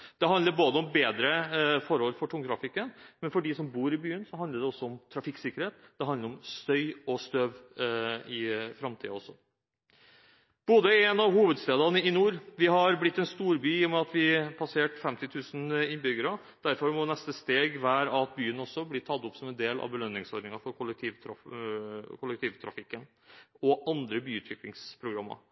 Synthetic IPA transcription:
d̪̥ɛɦɑnəɾboːd̪əɔmbeːd̪ɾəfɔɾhɔlfɔʈʰʊŋt̪ʰɾɑfɪkːənmɛnfɔɖisɔmbuːɾɪbyːənsɔɦɑnd̪əɖɛɔsːɔɔmt̪ʰɾɑfɪkːsɪkːəɾheːt̪d̪̥ɛɦɑnəɾɔmst̪œʏɔst̪øːʋ | ɪfɾɑmt̪ʰḭːɑ̰ɔsːɔ | b̥oːd̪əɛnɑʋhuːʋəd̪st̪eːd̪ɑnəɪnuːɾʋɪɦɑɾblɪt̪ːɛnst̪uːɾbyːjʊmːɛɑt̪ʋɪpʰɑseːʈfɛmt̪ɪt̪ʰʉːsn̩ɪnbʏɡəɾɑ | d̪̥æɾfɔɾmɔnɛst̪əst̪eːɡʋæːɾɑt̪̚byːənɔsːɔblɪʈʰɑt̪ːʊpːsɔmɛnd̪eːlɑ̰ʋbəlœnːɪŋsɔɾd̪nɪŋɑfɔɾkʰʊlɛk̚t̪ʰiːʋ̪ʰɾ | kʰʊlɛk̚t̪ʰiːʋt̪ʰɾɑ̰fɪkːən | ɔɑnd̪ɾəbyːʉːt̪ʰʋɪklɪŋspʰɾʊɡɾɑmːɑ̰ɾ

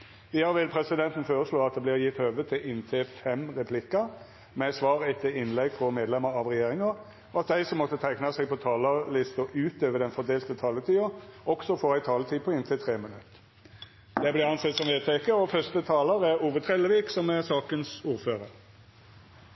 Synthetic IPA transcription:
ɪɑɾʋɪlpʰɾɛsɪd̪ɛnt̪n̩foːɾəsɭoːɑt̪̚d̪ɛblɪːɾjɪt̪ːøːʋət̪ʰːɪlʔɪnːt̪ʰefɛmʁɛpʰlɪkə | mɛsʋɑːʁɛt̪ʰːɪlɪnlɛɡfɾɔmeːd̪lɛməɾɑʋʁɛjeːʁɪŋɑ | ɔɑt̪̚d̪æɪsɔmːɔt̪ːət̪ʰæɪknɑsɛɡ̚pʰɔt̪ʰɑːləlɪst̪ɔʔʉːt̪øːʋəd̪ɛnfɔd̪eːlt̪ət̪ʰɑːlət̪ʰiːɑɔksɔfoːɾæɪt̪ʰɑːlət̪ʰiːpʰɔɪnt̪ʰɪt̪ʰɾeːmənʉt̪ː | d̪̥ɛblɪʁɑnsɛt̪sɔmʋeːt̪ʰɛːkəɔfœst̪ət̪ʰɑːləɾæʁuːʋət̪ʰɾɛləʋiːksɔmɛsɑːkənsuːɾføːɾəɾ

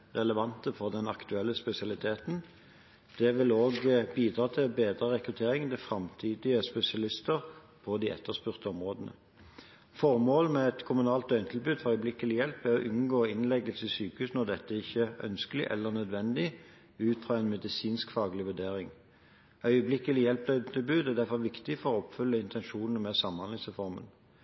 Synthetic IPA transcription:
ʁɛləʋɑnt̪əfɔʁd̪ɛnɑkt̪ʉɛlːəspɛsɪɑlɪt̪ʰeːt̪n̩ | d̪̥ɛʋɪloːɡbiːd̪ʁɑːt̪ʰɪlbeːd̪ʁəʁɛkʁʉt̪ʰeːʁɪŋd̪ɛfʁɑmt̪ʰiːd̪ɪəspɛsɪɑlɪst̪əʁ | pʰɔd̪iʔɛ̰t̪ːəʁspʉʁt̪əɔmʁoːd̪ənə̰ | fɔʁmoːlmɛɛt̪kʰʊmʉnɑːlt̪d̪œʏnt̪ʰɪlbʉːd̪fɔʁœʏblɪkːəlɪjɛlpːɛɔʔʉnɡoːɪnlɛɡəlsɪsyːkəhʉːsnɔʁd̪ɛt̪ːəɪçːəœ̰nskəlɪʔɛ̰lːəʁnœd̪ʋɛnd̪ɪ | ʉːt̪fʁɑːɛnmɛd̪ɪsiːnskfɑːɡəlɪʋʉd̪eːʁɪŋ | œʏəblɪkːəlɪjɛlp̚d̪œʏt̪ʰɪlbʉːd̪æʁd̪æʁfɔʁʋɪkt̪ɪfɔʁɔɔpfʏlːəɪnt̪ʰɛnʃuːnn̩mɛsɑmːɑnlɪŋsəfɔʁmə̰n

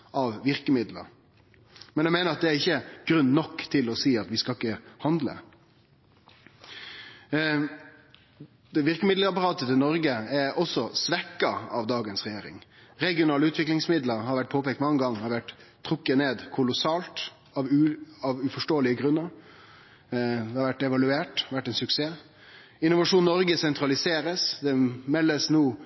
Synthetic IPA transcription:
ʔɑʋʋɪɾkəmɪd̪lə̰ɾ | mɛnjæmeːnəɾɑt̪̚d̪ɛæɾɪçːəɡ̥ɾʉnːnɔkːt̪ʰɪlɔsiːɑt̪ʋɪskɑlɪkːəhɑnd̪lə̰ | d̪̥ɛʋɪɾkəmɪd̪ləɾɑpɑɾɑːt̪ət̪ɪlnɔɾɡəɛɾɔsɔsʋɛkːɑɑʋd̪ɑːɡənsɾɛjeːɾɪ̰ŋ | ɾɛɡɪʊnɑːləʉːt̪ʋɪklɪŋsmɪd̪ləɾhɑɾʋæʈ̚pʰoːpɛːkt̪mɑŋːəɡɑŋːhɑɾʋæʈt̪ʰːʁʊkːəneːd̪kʰʊlʊsɑːlt̪ | ɑʋɑʋʉfɔʂʈoːəlɪəɡɾʉnːəɾ | d̪ɛhɑɾʋæʈːɛʋɑlʉeːʈʋæʈːɛnsʉkseː | ɪnʊʋɑʂuːnnɔɾɡəsɛnt̪ɾɑlɪseːɾəsd̪ɛmɛlːəsnuː

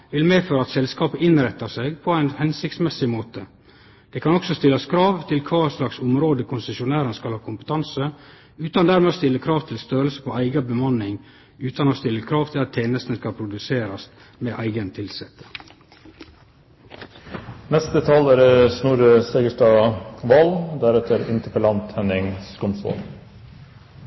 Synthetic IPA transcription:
ʋɪlmeːføːɾəɑt̪sɛlskɑːpəɪnɾɛt̪ːɑseɪɡpʰɔæɪnhɛnsɪkt̪smɛsɪmoːt̪ə | d̪̥ɛːkʰɑnɔksɔst̪ɪlːɑskʰɾɑːʋt̪ʰɪlkʰɑːslɑksʊmɾoːd̪əkʰʊnsəʃʊnæːɾənskɑlhɑːkʰʊmpət̪ʰɑnsə | ʉːt̪ɑnd̪æɾmɛost̪ɪlːəkʰɾɑːʋt̪ʰɪlst̪øːɾəlsə̥pʰɔæɪɡɑbəmɑnːɪŋ | ʉːt̪ɑnoːst̪ɪlːəkʰɾɑːʋt̪ʰɪlɑt̪ʰːeːnəst̪nəskɑlpʰɾʊd̪ʉseːɾɑst̪ | meːʔæɪɡənt̪ʰɪlsɛt̪ə̥ | nɛst̪ət̪ʰɑlæɾəsnuːɾəseɡəʂʈɑːʋɑld̪æɾɛt̪ʰəɾɪ̰nt̪ʰəpəlɑnt̪hɛnɪŋskʰʊnsɔ̰l

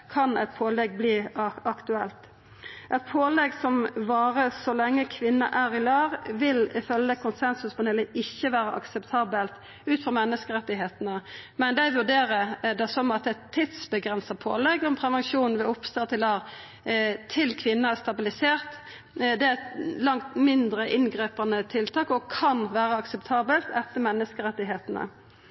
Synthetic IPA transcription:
kʰɑnɛt̪pʰoːlɛɡ̚bliːɑkt̪ʉɛlt̪ | ʔɛt̪̚pʰoːlɛɡsɔmʋɑːɾəsɔlɛŋːəkʰʋɪnːɑ̰ʔæːʁɪlɑːʁʋɪlɪfœlːəkʰʊnsɛnsʉsmɔnɛləʔɪçːəʋæːɾəʔɑ̰ksɛpt̪ʰɑːbəlt̪ | ʉːt̪fɔʁmɛnːəskəɾɛt̪ːɪɦeːt̪ənəmɛnd̪æɪʋʉʁd̪eːɾəd̪ɛsɔmɑt̪̚ɛt̪ʰːit̪sbəɡʁɛnsɑpʰo̰ːlɛɡʊmpʰɾɛʋɛnʃuːnn̩ʋɛʊpst̪ɑːt̪ɪlɑːʁ | t̪ʰɪlkʰʋɪnːɑæst̪ɑbɪlɪseːʁt̪ | d̪ɛɛt̪lɑŋt̪mɪnd̪ɾəʔɪnɡʁiːpɑnət̪ʰɪlt̪ʰɑːkɔkʰɑnʋæːʁəɑksɛpt̪ʰɑːbəlt̪ɛt̪ːəmɛnːəskəɾɛt̪ːɪɦeːt̪nə̰

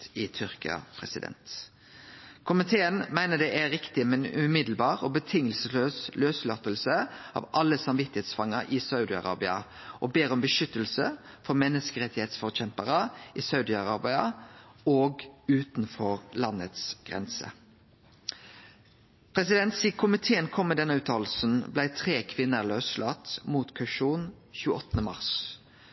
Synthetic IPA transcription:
ɪt̪ʰʏɾkɪɑ̰pʰʁɛ̰sɪd̪ɛ̰nt̪ | kʰʊmɪt̪ʰeːənmæɪnəd̪ɛʔæɾɪkt̪ɪmɛnʉ̰mɪd̪l̩bɑːʁɔbət̪ʰɪŋːəlsəløːsløːslœt̪əlsəɑ̰ːʋʔɑlːəsɑmʋɪt̪ːɪheːt̪sfɑŋːəɾʔɪsɑʉd̪ɪɑ̰ʁɑ̰ːbɪɑ | ʔɔbeːɾɔmbəʃʏt̪ːəl̩səfɔɾmɛnːəskəʁɛt̪ːɪheːt̪sfɔʁçɛmpəʁəɪsɑʉd̪ɪɑʁɑːbɪɑoːɡʉːt̪nfɔʁlɑnət̪sɡ̥ʁɛ̰nsə̰ | pʰʁɛsɪd̪ɛnt̪siːkʰʊmɪt̪ʰeːənkʰɔmːɛd̪ɛnəʉːt̪ʰɑːlsn̩blæɪt̪ʰʁeːkʰʋɪnːəʁløːslʔɑt̪muːt̪kʰɑʃuːn | çʉːəɔt̪ːnəmɑ̰ʁs

